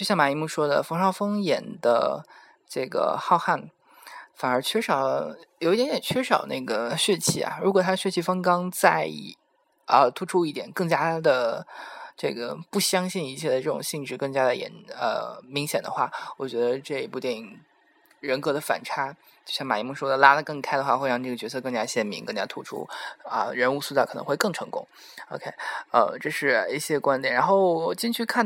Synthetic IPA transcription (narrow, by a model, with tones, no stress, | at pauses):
t͡ɕjo˥˧ɕjɑ˥˩ma˧˥i˧˥mu˥˩ʂwɔ˥d̪ə̰˨fɑ˥ŋʂɑ˥˩ʊfɤ˥ŋjɛ˨˩nd̪ə̰˧ | ʈ͡ʂɤ˥˩ɡə̰˩xɑ˥˧ʊxa˥˩n | fa˨˩nə˞˧˥t͡ɕʰɥɛ˥ʂɑ˨˩ʊljʊi˥jnjɛ˨˩t͡ɕʰɥɛ˥ʂɑ˨˩ʊna̰˥˩ɪɡə˩ɕɥɛ˥˧t͡ɕʰi˥˩a̰˩ɻu˧˥kwɔ˨˩t̪ʰa˥˧ɕɥɛ˥˧t͡ɕʰi˥˩fɑ˥ŋkɑ˥ŋt͡sa˥˩ɪ | ə˧t̪ʰu˥ʈ͡ʂʰu˥i˥˩jɛ˨˩nkɤ˥˩ŋt͡ɕja˥d̪ə˨˩ | ʈ͡ʂɤ˥˩ɡə̰˩pu˥˩ɕjɑ˥ŋɕi˥˩ni˧˥t͡ɕʰjɛ˥˩d̪ə˩ʈ͡ʂɤ˥˩ʈ͡ʂʊ̰˨˩ŋɕi˥˧ŋʈ͡ʂɻ̩˥˧kɤ˥˩ŋt͡ɕja˥d̪ə˨jɛ̰˧˥nə̰˧˩mi˧˥ŋɕjɛ˨˩nd̪ə˦xwa˥˩wɔ˨˩t͡ɕɥɛ˧˥d̪ə˧ʈ͡ʂɤ˥˩i˧˥˩pu˥˩t̪jɛ˥˩i˨˩ŋ | ɻə˧˥nkɤ˧˥d̪ə˧fa̰˨˩nʈ͡ʂʰa˥ | t͡ɕjo˥˧ʊɕjɑ˥˩ŋma˨˩i˥mə˥˩ŋʂwɔ˥d̪ə˨la˥lə˨kɤ˥˩ŋkʰa˥ɪdə˧xwa˥˧xwe˥˧ɪɑ˥˧ŋʈ͡ʂɤ˥˩ɡə˩t͡ɕɥɛ˧˥sʰɤ˥˧kɤ˥˩ŋt͡ɕja˥ɕjɛ˥˩nmi˧˥ŋkɤ˥˩ŋt͡ɕja˥t̪ʰu˥ʈ͡ʂʰṵ˥ə̰˧ɻə˧˥nu˥˧su˥t͡skʰɤ˨˩nɤ̰˧˥ŋxwe˥˧ɪkɤ˥˩ŋʈ͡ʂʰɤ˧˥ŋkʊ̰˥ŋ | o˧˥ʊkʰe˥ɪə̰˧ʈ͡ʂɤ˥˧ʂɻ̩˥˩i˥˩ɕjɛ˥kwa˥nt̪jnɻa˧˥nxo˥˩ʊwɔ˨˩t͡ɕi˥˧nt͡ɕʰy˥˧kʰa˥˩n